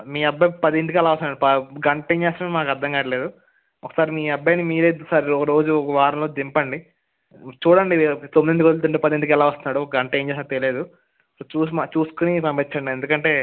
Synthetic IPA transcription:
miːɐbːɐpɐd̪iend̪ikɛlaːʋɐst̪unːaːɽupɐɡɐɳʈeːɲt͡ʃɛːst̪ɐmemaːkɐɾd̪ʱːɐŋɡaːʈɐle̞ːd̪u | ɔkːɐsaːɾimiːɐbːɐjnimiːɾeːd̪ɐsaːɾiɔkɐɾo̞ːd͡ʒuɔkɐʋaːɾɐmloːd̪impɐɳɖi | t͡ʃuːɽɐɳɖit̪ominend̪ikod̪ult̪̬uɳʈeːpɐd̪end̪ikɛlaːʋɐst̪unːaːɽuɔkɐɡɐɳʈeːɲd͡ʒɛːsakt̪eleːd̪u | ot͡ʃuːsmat͡ʃuːsu̥kunipɐmpit͡ʃːɐɳɖiend̪ukɐɳʈe̞ː

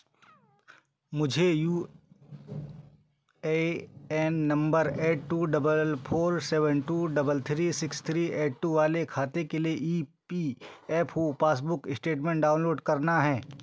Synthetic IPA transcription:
mʊd͡ʒʱejuː | eɛːnːɐ̃mbəɾeːʈʈːuːɖɐbəlpʰoːɾsɛːʋənʈuːɖɐbəlt̪ʰɾisɪkst̪ʰɾiːeːʈʈːuʋaːlekʰaːt̪ekelieʔiːpiɛːpʰɦupaːs̬bʊkɪsʈeːʈmẽɳʈɖaːʊ̃nloːɖkɐɾnaɦɛː

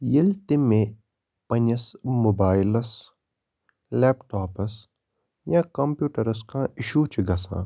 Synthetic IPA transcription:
jilt̪imẽ | pɐnɐsmobaːjlɐs | leːpʈaːpɐs | jãːkɐmpjuːʈɐɾɐs̬kãːiʃuːt͡ʃiɡɐsã̰ː

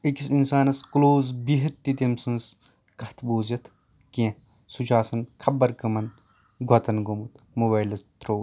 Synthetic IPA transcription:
ikisinsaːnɐskloːzbiɦɐt̪ːit̪imsɐns | kɐt̪ʰboːzɐt̪ʰ | kiɐ̃ | sut͡ʃaːsɐnkʰɐbːɐɾkɐmɐn | ɡʱɐt̪ɐnɡomut̪ | mobaːjlɐt̪ɾoː

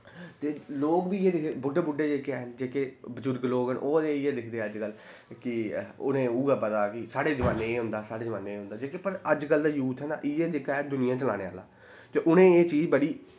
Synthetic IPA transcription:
t̪eːloːkbiːeːd̪ɪkʰːbʊɖeːbʊɖeːd͡ʒeːkend͡ʒeːkeːbəd͡ʒʊɾɡloːkənʔoːeːeːd̪ɪkʰd̪eːəd͡ʒkəl | kɪʊ̰nẽːuːɡaːpət̪aːkɪsaːɽeːzəmãːnːeːeːɦʊ̃nd̪aːsaːɽeːzəʋaːneːeːɦʊ̃nd̪aːd͡ʒeːkeːpəɾəd͡ʒkəld̪aːjuːt̪ʰɦɛːna̰ːʔɪeːd͡ʒeːkaːd̪ʊnɪjãːt͡ʃəlã̰ːneːa̰ːla̰ː | t̪eːʔʊnẽːeːt͡ʃiːd͡ʒbəɽiː

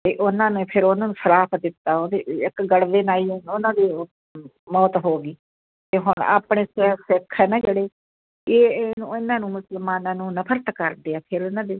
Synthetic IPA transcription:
t̪eːʔʊnãːnẽːpʰɪɾʊnãːnũːsʰəɾaːpʰd̪ɪt̪ːaːod̪eːɪkɡəɽʋeːnaːiːnʊnãːd̪iː | mɔːt̪ɦoːɡiː | t̪eːɦʊɳa̰ːpɳeːsɛsɛkʰɛːnad͡ʒeːɽeː | eːnuɪnãːnũːmʊsəlmaːnãːnũːnəpʰəɾt̪kəɾd̪eːɛːpʰɪɾʊnãːd̪eː

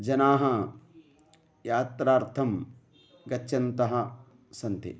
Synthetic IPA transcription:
d͡ʒɐnaːɦɐ | jaːt̪ɾaːɾt̪ʰɐm | ɡɐtːʃʰɐnt̪ɐɦɐ̆ | sɐnt̪ḭ

